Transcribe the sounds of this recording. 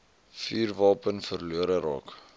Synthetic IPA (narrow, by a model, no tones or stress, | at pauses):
fiːrvɑːpənfərluəɾəɾɑ̰ːk